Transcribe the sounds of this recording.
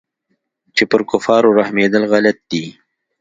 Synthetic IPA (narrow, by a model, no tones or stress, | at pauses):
t͡ʃepəɾkʊfɑɾoɾahmed̪əlɣalat̪̚d̪i